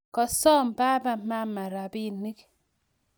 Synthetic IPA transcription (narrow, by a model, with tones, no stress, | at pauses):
kɔ˨sɔ˦m̩˨pa˦ba˦˨˦ma˦ma˨ɾa˨bi˦ni˦k